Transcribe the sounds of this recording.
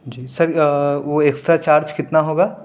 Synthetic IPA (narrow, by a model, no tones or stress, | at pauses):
d͡ʒiːsɐɾʋoekst̪ɾat͡ʃaːɾd͡ʒkɪt̪naɦoːɡaː